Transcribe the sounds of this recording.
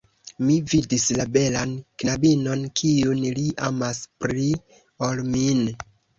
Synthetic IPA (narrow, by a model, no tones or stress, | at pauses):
mividislabe̞lanknabino̞nkʰiunliʔamaspɾi | olmin